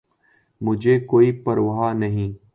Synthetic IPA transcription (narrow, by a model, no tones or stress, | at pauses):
mʊd͡ʒʱekoːipəɾʋaɦanɐɦĩː